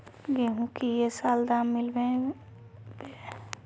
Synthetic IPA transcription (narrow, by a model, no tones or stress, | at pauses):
ɡeɦũkijesaːld̪amːɪlbẽ | be